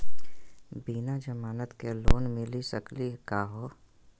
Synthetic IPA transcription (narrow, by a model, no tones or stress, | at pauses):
biːnad͡ʒɐmaːnət̪keloːnmɪlisɐklikaːɦoː